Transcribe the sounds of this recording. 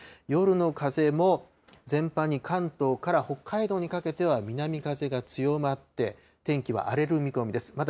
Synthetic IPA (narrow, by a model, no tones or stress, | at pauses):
jo̞ɾɯ̟no̞kaze̞mo̞ | zẽ̞mpaɲ̟ːikʰãnt̪o̞ːkaɾaho̞kʰːaid̪o̞ːɲ̟ikake̞t̪e̞β̞amʲinamʲikaze̞ɡat͡sɨjo̞mat̪ːe̞ | t̪ẽ̞ŋkʲiβa̰ʔaɾe̞ɾɯ̟mʲiko̞mʲid̪e̞sɨ̥mat̪